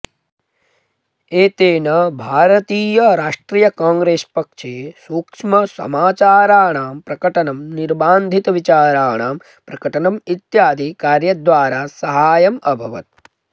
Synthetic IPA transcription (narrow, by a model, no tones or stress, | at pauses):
eːt̪eːnɐbʱaːɾɐt̪iːjɐɾaːʂʈɾiːjɐkaːŋɡɾeːspɐkʂeːsuːkʂmɐsɐ̰maːt͡ʃaːɾaːɳaːmpɾɐkɐʈɐnɐmniɾbaːnd̪ʱit̪ɐʋit͡ʃaːɾaːɳaːm | pɾɐkɐʈɐnɐmit̪jaːd̪ʱikaːɾjɐd̪ʋaːɾaːsɐɦaːjɐmɐbʱɐʋɐ̰t̪̚